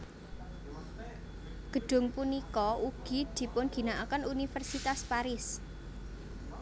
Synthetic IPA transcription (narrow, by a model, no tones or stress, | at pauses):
ɡ̥ə̤ɖ̥ʊ̤ŋpunikɔʔuɡ̥i̤d̪̥i̤pʊnɡ̥i̤naʔakənunifɛrsit̪aspaɾɪs